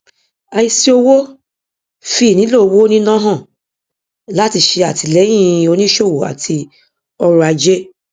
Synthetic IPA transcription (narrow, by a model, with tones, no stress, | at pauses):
a˧i˧si˦o˧wo˦ | fi˦˨nĩ˨˦lo˦˨˧wo˦nĩ˦nã˦ɦã˦˨ | la˨˦ti˧ʃe˧a˨ti˧lɛ˨˦j̃ĩ˦˧o˧nĩ˦ʃo˦˨wo˨a̰˨tʰi˧ | ɔ˧ɾu˧a˧d͡ʒe˦